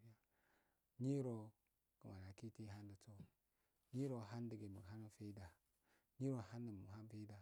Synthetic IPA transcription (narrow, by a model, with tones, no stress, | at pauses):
a˨ | ɲi˦ɾo˨ | kə˨ma˨na˨ki˦ti˦ɦa˦ndə˨t͡so˦˨ | ɲi˦ɾo˨ɦa˦ndə˨ɡə˨mu˨a˦nə˨fe˦i˦da˨ | ɲi˦ɾo˨ha˦nːə˨m˨ɦa˦n˦fe˦i˦da˨